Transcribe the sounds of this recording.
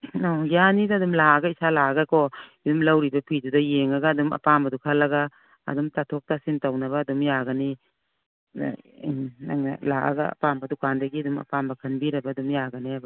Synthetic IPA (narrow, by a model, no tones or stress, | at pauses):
aɡijanidaːdumlaaɡɐisalaɡakɔidumlawɾibɐpʰidudɐjeŋaɡaːdumɐ̰pambɐdukʰalːɐɡa̰ː | dumtatʰɔk̚tasintawnɐβaːdumjaɡani | aŋna̰laʔa̰ɡɐa̰pambɐdukandɐɡiɐdumɐ̰pambɐkʰɐnbiɾɐbaːdumjaɡaniab